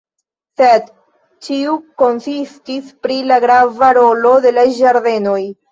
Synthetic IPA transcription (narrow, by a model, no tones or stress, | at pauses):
sed | t͡ʃiuko̞nsistispɾilaɡɾavaɾo̞lo̞de̞laʒaɾde̞no̞j